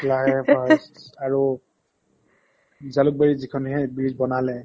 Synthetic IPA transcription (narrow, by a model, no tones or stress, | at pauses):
klaɦɛbasaɹu | zaluk̚baɹizikʰɔnɦɛbɹizbɔnalɛ